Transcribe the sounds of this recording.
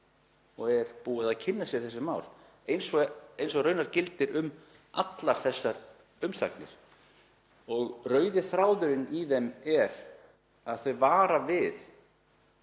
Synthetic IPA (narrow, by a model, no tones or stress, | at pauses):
ɔɣɛɾ̥puːɪðaðcʰɪnːasjɛ̥θɛsːʏmaːwl | ejnsɔejns̬ɔɣrœːɥnaɾ̥cɪlt̪ɪɾʏm | a̰t̪laɾ̥θɛsːaɾ | ʏmsa̰knɪ̰ɾ̥ | ɔɣrœːɥðɪθɾaːwðʏɾɪniðɛmɛɾ | aðθœɥvaːɾavɪð